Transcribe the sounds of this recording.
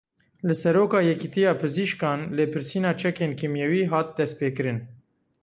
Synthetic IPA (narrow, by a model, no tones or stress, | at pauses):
lɨsɛɾoːkɑːjɛkit̪ijɑːpʰɨziʃkɑːnleːpʰɨɾsiːnɑːt͡ʃʰɛkeːnkʰimjɛwiːɦɑːt̪̚d̪ɛst̪̚peːkɨɾɨn